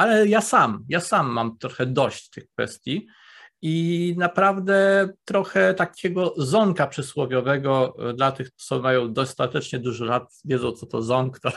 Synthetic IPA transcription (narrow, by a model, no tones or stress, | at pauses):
alɛjasamjasamːamt̪ɾɔxɛd̪ɔɕt͡ɕt̪ɘxkfɛ̰st̪ʲji | inapɾavd̪ɛt̪ɾɔxɛt̪akʲʰɛɡɔzɔŋkapʂɛswɔvʲjɔvɛɡɔd̪lat̪ɘxt̪sɔmajɔ̃w̃d̪ɔst̪at̪ɛt͡ʂɲɛd̪uʐɔlat̪vʲjɛd̪zɔ̃w̃t̪sɔt̪ɔzɔŋkt̪ɔ